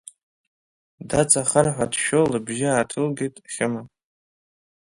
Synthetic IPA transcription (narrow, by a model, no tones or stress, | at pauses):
dat͡sʼaχərħʷadʃolɨbʒɪaːtʰɨlɡʲejtʼχʲɪma